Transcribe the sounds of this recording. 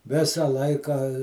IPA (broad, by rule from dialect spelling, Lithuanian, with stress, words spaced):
ˈʋʲɪsɐ ˈlˠɐɪkɐ